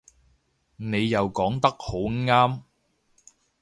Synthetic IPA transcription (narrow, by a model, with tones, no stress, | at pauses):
ne˨˧jːɐ˨wkɔː˨˥ŋt̪ɐ˥k̚ho˨˥wŋaː˥m